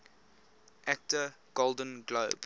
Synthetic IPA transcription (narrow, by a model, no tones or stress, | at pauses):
ʔæk̚tə | ɡ̥olˠdə̃nɡloːb̥